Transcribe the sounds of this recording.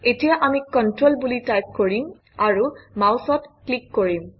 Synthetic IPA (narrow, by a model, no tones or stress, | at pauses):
etijaʔamikɔntɹolbulitajp̚koɹim | aɹumawsɔtklikːoɹim